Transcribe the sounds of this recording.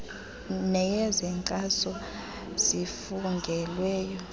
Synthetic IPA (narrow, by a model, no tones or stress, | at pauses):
nɛjɛzɛŋǀʼasɔ | z̥ifuŋɡʱɛlwɛːjɔ